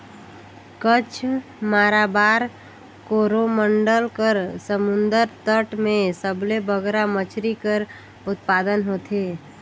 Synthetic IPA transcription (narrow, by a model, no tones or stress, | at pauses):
kət͡ʃʰ | maːɾabaːɾ | koɾoməɳɖəlkəɾsəmʊnd̪əɾt̪əʈmẽsəblebəɡɾamət͡ʃʰɾikəɾ | ʊt̪̚pad̪ənɦot̪ʰe